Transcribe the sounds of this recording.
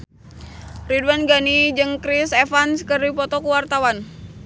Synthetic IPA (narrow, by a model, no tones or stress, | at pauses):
riduwanɡanid͡ʒɨŋkɾisefanskɨrdipɔt̪ɔkuwart̪awan